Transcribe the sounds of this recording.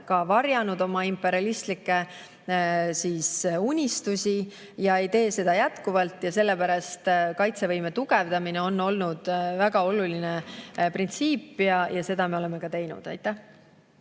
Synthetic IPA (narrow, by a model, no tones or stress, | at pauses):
kɑvɑrjɑnud̪o̞mɑimpːˑe̞ɾiɑlist̪likːˑe̞ | siːsunʲist̪usʲi | jɑejt̪e̞ːse̞d̪̥ɑjæt̪kuvɑlt̪ːˑjɑse̞lːe̞pæɾɑst̪kɑjt̪se̞vɤjme̞t̪uɡ̥evd̪̥ɑmineo̞nːo̞lnud̪̥væɡ̥ɑo̞lulineprint̪siːpːjɑjɑse̞d̪̥ɑme̞o̞le̞me̞kɑt̪e̞jnṵd̪̥ɑ̰jt̪ːˑæh